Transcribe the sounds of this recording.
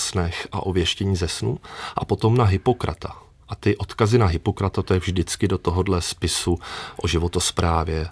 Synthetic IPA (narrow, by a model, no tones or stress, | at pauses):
snɛxʔa̰ʔo̞vjɛʃcɛɲiːzɛsnuʔapo̞t̪o̞mnaɦɪpo̞kɾʔa̰t̪a | ʔat̪ɪʔo̞t̪kazɪnaɦɪpo̞kɾat̪at̪ojɛvʒdɪt͡skɪdo̞t̪oɦodlɛspɪsuʔo̞ʒɪvo̞t̪ospɾaːvjɛ